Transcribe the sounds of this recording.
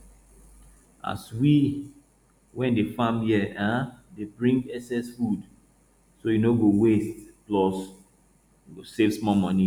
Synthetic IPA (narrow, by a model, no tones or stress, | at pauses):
a̰swi | wɛ̃ndefamjɛadebɹĩŋɡɛsɛsfud | sojunoɡowestplɔs | juɡosevsmɔmɔ̃ni